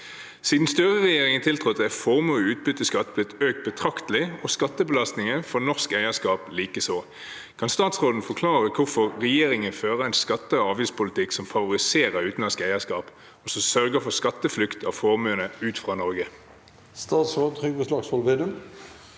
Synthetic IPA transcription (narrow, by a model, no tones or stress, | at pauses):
siːd̪n̩st̪yːʁəʁɛjeːʁɪŋənt̪ʰɪlt̪ʰʁʊt̪̚d̪ɛfɔʁmuːʉːt̪̚bʏt̪ːəskɑt̪ːblɪt̪øːk̚t̪̚bət̪ʰʁɑkt̪lɪɔskɑt̪ːəbəlɑst̪nɪŋəfɔʁnɔʁskæɪəskɑːpliːkəsoː | kʰɑnst̪ɑːt̪sʁoːd̪n̩fɔkʰlɑːʁəkʰʊfɔʁʁɛjeːʁɪŋənføːʁəæɪnskɑt̪ːəɑːʋiːspʊlɪt̪ʰɪksɔmfɑʋʊʁɪseːʁəʁʉːt̪n̩lɑnskæɪəskɑːp | ɔsɔsœʁɡəfɔskɑt̪ːəflʉkt̪ʰɑːʋfɔːʁmøːnəʉːt̪fʁɑːnɔʁɡə | st̪ɑːt̪sʁoːd̪n̩t̪ʰʁʏɡʋəslɑksfɔlʋeːd̪ʉm